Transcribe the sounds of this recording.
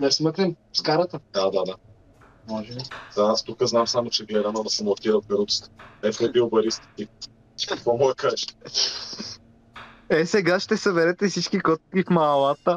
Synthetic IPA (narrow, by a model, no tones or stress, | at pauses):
nɛsmɤk̪limfskaɾət̪əd̪ad̪ad̪a | mɔʒɛbizaast̪ukəznamsamʊt͡ʃɛɡlɛd̪ɐnɔd̪ɐsɛmɐlˠkʲiɾəvbɛɾut̪st̪ɛfɛbilˠbɐɾist̪i̥t̪i̥ | kəkvɔmɔɡəkaʒɛ̥ | ɛsɛɡaʃt̪ɛsɐbɛɾɛt̪ɛfsit͡ʃk̟ikɔt̪̚kifmɐːlˠat̪ə